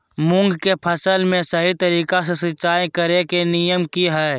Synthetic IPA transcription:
mʊ̃ŋɡkepʰəsəlmẽsəɦit̪əɾiːkasesɪt͡ʃaːekəɾekenijəmkiɦɛː

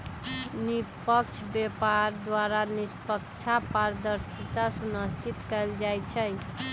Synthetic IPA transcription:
nipək̚t͡ʃʰbepaɾd̪waɾanispəkt͡ʃʰapaɾd̪əɾsit̪asunəst͡ʃit̪kəjld͡ʒajt͡ʃʰəj

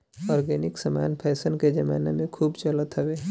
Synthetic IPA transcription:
ɔːɾɡɛːnɪksɐma̰ːnpʰɛːsənked͡ʒɐmaːnemẽkʰuːbt͡ʃɐlət̪ɦəʋeː

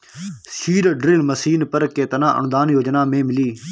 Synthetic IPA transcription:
siːɾɖɾɪlməsiːnpəɾkeːt̪ənãːʔə̰nd̪aːnjoːd͡ʒnaːmẽːmɪliː

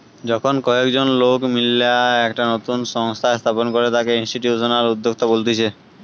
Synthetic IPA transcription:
d͡ʑɔkʰonkɔekd͡ʑonlokmileaɛkʈanot̪unʃɔŋst̪ʰaest̪ʰaponkoɾet̪akeinsʈiʈjusonaɾud̪ːok̚t̪obolt̪it͡ɕʰe

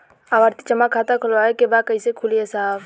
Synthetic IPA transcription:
aʋəɾt̪i̥t͡ʃəmakʰːat̪akʰəlaekebad̪̚kəisekʰulijesaːb

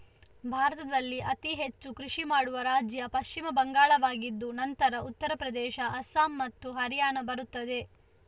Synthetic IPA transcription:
bʱaːɾɐt̪ɐd̪ɐlːiʔɐt̪iɦet͡ʃːukɾiʂimaːɽuʋɐɾaːd͡ʒjɐpɐʃt͡ʃimɐbɐŋɡaːɭɐʋaːɡid̪ːunɐnt̪ɐɾɐut̪ːɐɾɐpɾɐd̪ɛːʃɐʔɐsaːmːɐt̪ːuɦɐɾjaːnɐbɐɾut̪ːɐd̪e̞

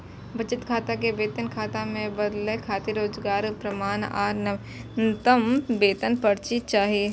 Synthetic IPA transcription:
bʱɐt͡ʃɪt̪kʰaːt̪akebeːt̪ənkʰaːt̪amẽbɐd̪lekʰaːt̪iɾoːd͡ʒɡaːɾpɾɐmaːna̰ːɾn | nt̪əmbeːt̪ənpɐɾt͡ʃit͡ʃaːɦie

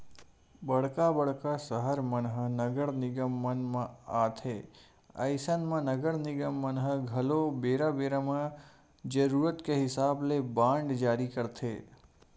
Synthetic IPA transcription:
bəɽkabəɽkasəɦəɾmənɦənəɡəɾnɪɡəmːənmãaːt̪ʰe | ə̰ɪsənmãnəɡəɾnɪɡəmːənɦəɡʱɐlobeːɾabeːɾamã | d͡ʒəɾuːɾət̪keɦɪsaːblebãːɳɖd͡ʒaːɾikəɾt̪ʰḛː

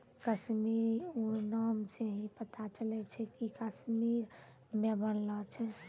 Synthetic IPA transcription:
kəʃmiɾuɾnamseɦipət̪ʰat͡ʃəlɛt͡ʃʰɛkikəsmiɾ | mebənlɔt͡ʃʰɛ

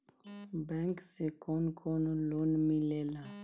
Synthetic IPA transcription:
bãŋksekʰɔnkʰɔnɔlonmĩlɛla

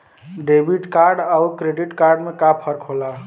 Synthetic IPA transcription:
ɖebʱiʈkaɾɖawkɾeɖiʈkaɾɖmekapʰəɾkɦola

